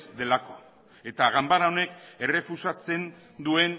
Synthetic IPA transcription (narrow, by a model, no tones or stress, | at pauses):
d̪e̞lako̞̥ | e̞t̪aɣambaɾaone̞ke̞re̞fusat͡se̞n | d̪ue̞n